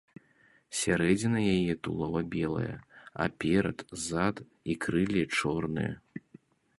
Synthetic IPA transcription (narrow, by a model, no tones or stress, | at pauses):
sʲaɾɛd͡zʲinɐjajɛt̪ulˠɔvɐbʲɛlˠɐ̰jɐ̰a̰pʲɛɾɐ̰t̪zat̪ | ikɾɨlʲit͡ʂɔrnɨ̰jɐ̰